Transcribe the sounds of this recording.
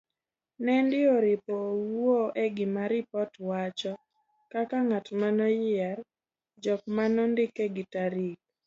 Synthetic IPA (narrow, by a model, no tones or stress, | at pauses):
nɛndɪoɾɪpɔwoʔeɡɪmaɾɪpɔtwat͡ʃɔ | kakaŋatmanɔjɪar | d͡ʒɔk̚manɔndɪkeɡɪtaɾik̚